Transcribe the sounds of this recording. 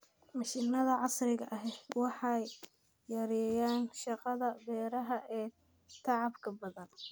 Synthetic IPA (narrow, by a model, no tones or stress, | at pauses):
mɑʃɪnːɐðɐʕɑsrɪɣɐʔɐɦɛwɑħɑjː | ɐɾɛːjaːnʃɑqɑðɐbɛːɾɐɦɐʔɛː | t̪ʰɑʕɑbkʰɐbɐðɐn